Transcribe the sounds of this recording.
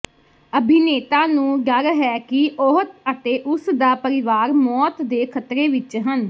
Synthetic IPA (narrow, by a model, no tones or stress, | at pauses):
əbʱɪneːt̪aːnũːɡəlɦɛːkɪoɦt̪ət̪eːʔʊsd̪aːpəɾɪʋaːɾmɔːt̪d̪eːkʰət̪ɾeːʋɪt͡ʃɦən